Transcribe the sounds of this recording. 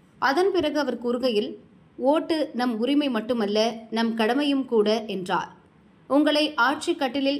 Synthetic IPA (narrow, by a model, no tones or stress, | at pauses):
ʔɐðɐnpɪrɐɣɯɐʋɐɾkʊɾɯɣɐjɪl | oːʈːɯnɐmʊɾɪmɐɪmɐʈːɯmɐlːɐnɐmkɐɽɐmɐjɯmkuːɽɐʔɛndra̰ːɾ | ʊŋɡɐɭɐɪʔaːʈ̚t͡ʃɪkːɐʈːɪlɪl